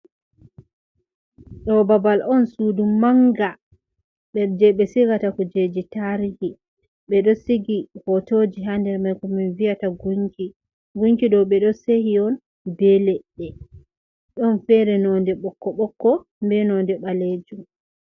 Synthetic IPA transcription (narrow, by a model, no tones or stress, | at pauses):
ɗɔbabalɔnsudumaŋɡa | ɓɛɾd͡ʒɛɓɛsiɡatakɔd͡ʒed͡ʒitaɾihi | ɓɛɗɔsiɡihɔtod͡ʒiɦandɛɾmajkɔminvijataɡuŋki | ɡuŋkiɗɔɓɛɗɔsehiɔn | bɛlɛɗɛ | ɗɔnfɛɾɛnɔndɛɓɔkːɔɓɔkːɔ | mbɛnɔndɛɓaled͡ʒum